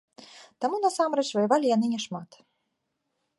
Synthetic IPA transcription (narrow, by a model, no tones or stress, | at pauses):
t̪amunasamɾɛt͡ʂvɐjavalʲijanɨnʲɛʂmat̪